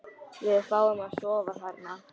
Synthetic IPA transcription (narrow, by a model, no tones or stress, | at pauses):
vɪðfaːwɪmaðsɔːvaθat̪na